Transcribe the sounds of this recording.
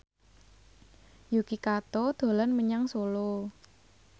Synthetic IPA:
jukikat̪od̪̥o̤lanməɲaŋsolo

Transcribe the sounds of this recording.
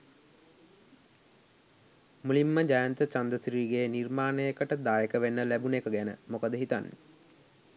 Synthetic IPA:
mulimːəd͡ʒajant̪ət͡ʃand̪əsɾiːɡenirmaːnəjekəʈəd̪aːjekəʋenːəlæbunekəɡænə̰mokəd̪əɦit̪anːe

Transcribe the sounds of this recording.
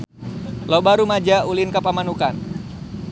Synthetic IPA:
lobaɾumad͡ʒaulɪnkapamanukan

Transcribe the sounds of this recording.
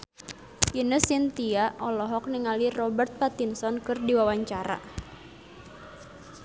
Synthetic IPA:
inəsint̪iaʔɔlɔɦɔk̚niŋalirɔbərt̪̚pat̪insɔnkɨrdiwawaɲt͡ʃaɾa̰

